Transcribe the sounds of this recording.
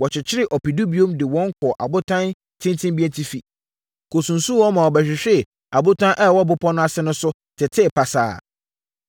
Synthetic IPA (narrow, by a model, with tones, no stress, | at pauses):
wɔ˨t͡ɕʰɪ˨t͡ɕʰɪ˦ɾɪ˦ʔɔ˨pi˨du˦bi˦o˦mdɪ˨wɔ̃˦ŋ˦kʰɔ˨ʔa̰˨bʊ˦tʰã˦n | tʰɪ̃˦ntʰɪ̃˦mbi˦ɛ˦ntʰi˦fi˨ | kʰo˨sũ˨n̩˨sũ˦wɔ˦mã˨wɔ˨bɛ˨ɕᶣɪ˨ɕᶣɛ˦˨ | a˨bʊ˦tʰã˦ʔɛ˦˨wɔ˦bʊ˦pʰɔ˦nʊ̃˦a˦˨sɛ˦nʊ̃˦sʊ˦ | tʰɪ˨tʰɪ˦˨pʰa˨sa̰ː˦˨